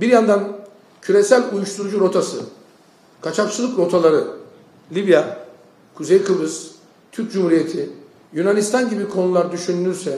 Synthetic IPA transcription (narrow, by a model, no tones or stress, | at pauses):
biɾjand̪an | cʰyɾe̞sælʲujuʃt̪ʰuɾud͡ʒuɾo̞t̪ʰasɯ | kʰat͡ʃʰapsɯzˠɯkɾo̞t̪ʰalˠaɾɯ | lʲibja | kʰuzejkʰɯbɯz | t̪ʰyɾc̚d͡ʒumhuɾije̞t̪ʰi | junanist̪ʰanɟibikʰo̞nulˠaɾd̪yʃynːyɾsɛ